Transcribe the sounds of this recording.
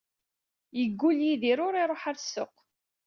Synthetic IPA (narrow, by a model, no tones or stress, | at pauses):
jəɡʷːuljiðiɾʊɾiɾˤoħaɾsːo̰q